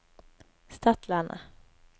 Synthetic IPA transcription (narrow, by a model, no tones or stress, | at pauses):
st̪ʰat̪lana̰